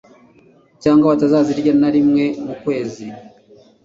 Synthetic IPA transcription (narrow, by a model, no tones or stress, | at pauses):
caːŋɡaβatazaːziɾɟanaɾimŋe̞mukwe̞ːzi